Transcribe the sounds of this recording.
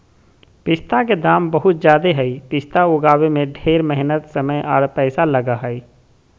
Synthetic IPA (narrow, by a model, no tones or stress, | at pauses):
pɪst̪aked̪aːmbɐɦʊt̪̚d͡ʒjaːd̪eɦɛipɪst̪aʊɡaːwemẽɖʱeːɾmɛɦɪnət̪sɐməjʔɔːɾpɛːsalɐɡaɦɛi